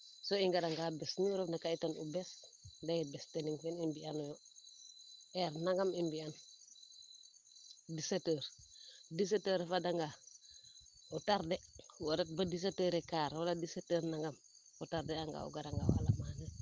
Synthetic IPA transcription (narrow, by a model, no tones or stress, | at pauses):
soiŋɡadaŋɡabɛsniɾofnakaitanubɛsdajibɛsteniŋfɛnimbianɔjɔ | ɛɾnaŋɡamimbian | disetəːɾdis̬etəɾefadaŋɡa | utaɾdewoɾɛt̚badis̬etəːɾekaːɾwaladisetəɾnaŋɡam | ɔtardɛaŋɡa̰ṵɡadaŋɡa̰wa̰lamana